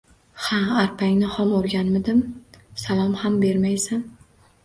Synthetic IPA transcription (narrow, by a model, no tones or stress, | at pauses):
haaɾpʰaŋʲnɪhɒmoɾɡʲanmɪd̪ɪmsalˠɒmhambe̞ɾmajsan